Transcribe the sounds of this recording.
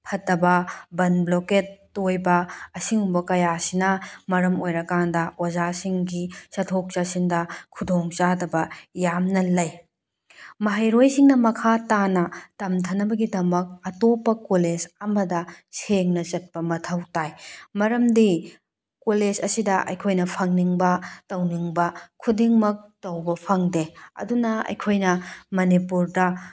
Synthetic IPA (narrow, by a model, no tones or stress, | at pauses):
pʰɐtːɐbɐbɐnbloketːojbɐɐsiŋumbɐkɐjasinɐmɐɾɐmojɾɐkandɐozasiŋɡisɐtʰok̚t͡ʃasiŋdɐkʰudoŋt͡ʃadɐbɐjamnɐlɐj | mɐɦajɾojsiŋnɐmɐkʰatanɐtɐmtʰɐnɐbɐɡidɐmɐk̚ɐtopːɐkoled͡ʒɐmɐdɐseŋnɐt͡ʃɐt̚pɐmɐtʰɐwtajmɐɾɐmdi | koled͡ʒɐsidɐʔɐ̰jkʰojnɐpʰɐŋniŋbɐtɐwniŋbɐkʰudiŋmɐk̚tɐwbɐpʰɐŋdeɐ̰dunɐɐ̰jkʰojnɐmɐnipuɾdɐ